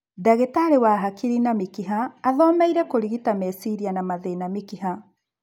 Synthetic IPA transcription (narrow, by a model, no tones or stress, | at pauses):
daɣetaɾewaɦakiɾinamikiɦaːðɔmɛiɾɛkoɾiɣitamesiɾianamaðeinamikiɦa